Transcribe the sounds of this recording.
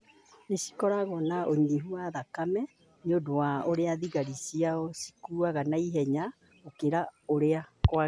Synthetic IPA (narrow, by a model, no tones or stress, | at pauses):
nesi̥kɔɾaɣɔnaʔoɲiɦuaðakamɛ | ɲodowaoɾeaðiɣaɾisiaɔsi̥kuaɣanaiɦɛɲa | okeɾaoɾeakwa